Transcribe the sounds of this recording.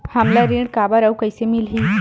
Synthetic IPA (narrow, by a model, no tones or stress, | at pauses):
hamlaɾiɳkabaɾawkəjsemilɦiː